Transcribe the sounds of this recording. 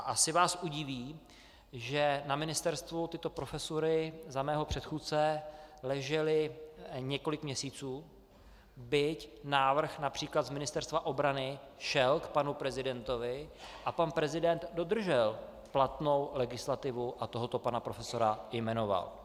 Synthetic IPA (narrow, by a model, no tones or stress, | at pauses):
ʔasɪvaːsʔuɟɪviː | ʒɛnamɪnɪst̪ɛɾst̪vut̪ɪt̪o̞pɾo̞fɛsoɾɪzamɛːɦopr̝̥ɛt̪xuːt̪t͡sɛlɛʒɛlɪɲɛko̞lɪkmɲɛsiːt͡suː | bɪcnaːvr̩xnapr̥iːklad̪zmɪnɪst̪ɛɾst̪vaʔo̞bɾanɪ | ʃɛlkpanupɾɛzɪdɛnt̪o̞vɪʔapanpɾɛzɪdɛnt̪do̞d̪r̩ʒɛl | plat̪no̞wlɛɡɪslat̪ɪvuʔat̪o̞ɦo̞t̪o̞panapɾo̞fɛso̞ɾajmɛno̞va̰l